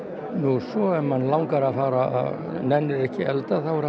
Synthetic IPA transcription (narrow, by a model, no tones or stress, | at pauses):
nusɔɛmːanːlawŋkaɾaθaːɾaa̰ | nɛnːɪɾɛhcɪɛlt̪aθawɛɾ